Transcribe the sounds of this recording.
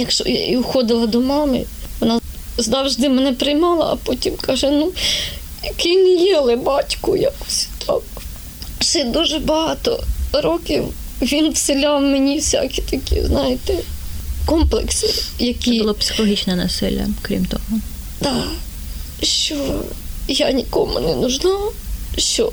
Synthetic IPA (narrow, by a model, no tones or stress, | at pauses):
jɐkʃt͡ʃɔ̰ja̰ʔiʊxɔd̪ɪlˠɐd̪ɔmɑmɪ̰ʋɔnɑzd̪ɑwʒd̪ɪmɛnɛpɾɪjmɑlˠɐ̰ʔɐ̰pɔtʲimkɑʒɛnu | kɪjnʲijɛlˠɪbɑtʲkʊjakʊ̥sʲt̪ʰɑ̰k | sɛd̪uʒɛbɐɦɑt̪ɔ̰ɾɔkʲiwʋʲinwsɪlʲɑwmenʲiwsʲa̰kʲi̥t̪ɐkʲḭznɑjɪt̪ɛkɔmplˠḛksɪjɐkʲibʊlˠɔpsʲɪ̥xɔlˠɔɦʲit͡ʃnɛnɐsɪlʲːɐ̰kɾʲḭmt̪ɔ̰ɦʊ | d̪̥ɑ | ʃt͡ʃɔ | janʲikɔmʊ̰nɛnʊʒnɑʃt͡ʃɔ